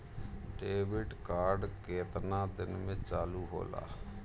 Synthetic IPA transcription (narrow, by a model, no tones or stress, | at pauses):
ɖeːʋɪɖkaːɾɖkeːt̪nãːd̪ɪnmẽːt͡ʃaːluːɦo̰ːla̰ː